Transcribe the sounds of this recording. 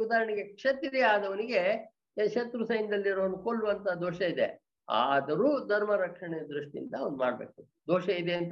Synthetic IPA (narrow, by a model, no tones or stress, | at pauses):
ud̪aːɾɐɳeɡekʂɐt̪id̪eaːd̪ɐʋɐniɡe̞ | ʃɐt̪ɾusɐjnd̪ɐlːiɾɐʋɐnukoɭːuʋɐnt̪ɐd̪oːʃɐid̪ḛ | a̰ːd̪ɐɾuːd̪ʱɐɾmɐɾɐkʂɐɳɛjɐd̪ɾuʂʈiḭnt̪ɐɐʋnd̪uma̰ːɽbḛːk̚t̪ud̪ed̪oːʃɐid̪eːɐnt̪